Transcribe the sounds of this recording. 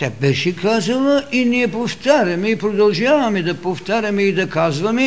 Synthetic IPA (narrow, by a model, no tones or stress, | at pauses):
t̪ʲabɛʃɛkazɐlˠəʔiniɛpoft̪aɾʲɐmɛipɾod̪ɐlˠʒavɐmɛd̪ɐpoft̪aɾʲɐmɛid̪ɐkazvɐmɛ